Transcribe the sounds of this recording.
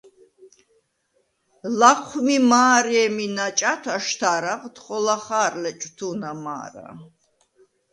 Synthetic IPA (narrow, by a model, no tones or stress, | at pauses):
laqʰːmimaːɾiɛminat͡ʃʼat̪ʰaʃt̪ʰaɾaʁt̪χɔlaχaːɾlɛt͡ʃʼt̪ʰunama̰ːɾa̰